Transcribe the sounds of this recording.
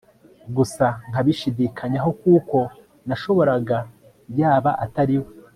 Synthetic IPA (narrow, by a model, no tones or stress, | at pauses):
ɡusaŋ̥aβiʃidikʰaɲaɦo̞kuːko̞ | naʃo̞βo̞ɾaɡa | jaːβaʔataɾiwo